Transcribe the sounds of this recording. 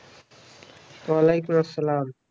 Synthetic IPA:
alejkʊmɐsːəlaːm

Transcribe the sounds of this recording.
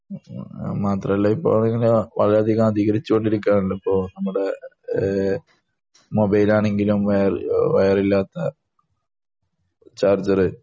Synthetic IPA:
maːt̪rɐmɐlːɐipːo̰ːiŋːɐleʋɐ̰ɭɐɾaːd̪ʱiɣamɐd̪ʱiɣɐɾit͡ɕːuko̞ɳɖiɾikʲːaːɳilːɐipːo̞ːnɐmːuɽe̞ | mo̞bɐjlaːɳe̞ŋɡilumʋɐjɐrʋɐjɐrilːaːt̪ːɐ | t͡ɕaːrd͡ʑɐrɨ

